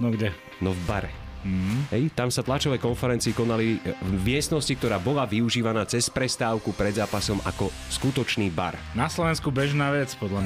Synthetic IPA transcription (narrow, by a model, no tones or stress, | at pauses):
nɔɡdɛ | nɔvbaɾɛ̰ | m̩ɦ̩ɦɛjt̪amsat̪lat͡ʃɔʋɛːkɔnfɛɾɛnt͡siːkɔnalivmɪɛst̪nɔscikt̪ɔɾaːbɔlaʋiuʒiːʋanaːt͡sɛspɾɛst̪aːʊkupɾɛd̪zaːpasɔmʔa̰kɔ | skut̪ɔt͡ʃniːba̰ɾ | naslɔʋɛnskubɛʒnaːʋɛt͡spɔd̪la